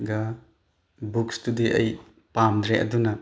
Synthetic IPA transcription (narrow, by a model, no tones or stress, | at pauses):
ɡɐ | bukstudiʔɐ̰j | pamdɾeʔɐ̰dunɐ